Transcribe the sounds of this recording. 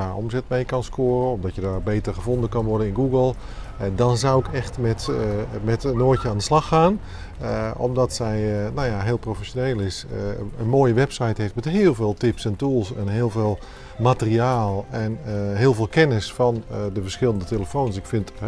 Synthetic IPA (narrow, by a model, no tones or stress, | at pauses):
aɔ̰mzɛtmejkɑnskoːrəɔmdɔtjədarbejtərχəvɔndənkɑnʋɔɹdənɪnɡuɡəlˠ | ɛdɔnzawɪkɛxtmɛtmɛtənoːjəaːndəslɑxaːn | ɔ̰mdɔtsɛjnawjaɦɪːlˠprofɛʃjoneːlˠɪsənmoːjəʋɛpsajtɦejftmɛtɦɪːlˠveːlˠtɪpsɛntuːlˠsɛnɦɪːlˠveːlˠ | matəriaːlˠɛnɦɪːəlˠvɪːlˠkɛnɪsfɑndəvərsxɪlˠəndəteləfownsɪkfɪnt